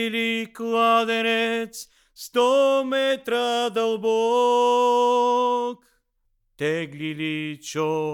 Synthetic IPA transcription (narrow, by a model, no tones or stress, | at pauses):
liklˠad̪ɛnɛt̪s | st̪ɔmɛt̪ɾad̪ɐlˠbɔ | k | t̪ɛɡlʲilit͡ʃɔ